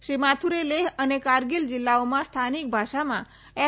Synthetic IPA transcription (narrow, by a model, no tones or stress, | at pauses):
ʃimat̪ʰuɾeleɦənekaɾɡild͡ʒilːaomãst̪ʰanik̚bʱaʃamã | ɛ